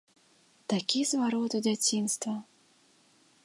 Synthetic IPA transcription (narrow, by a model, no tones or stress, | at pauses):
t̪akʲizvaɾɔt̪udʲat͡sʲinst̪vɐ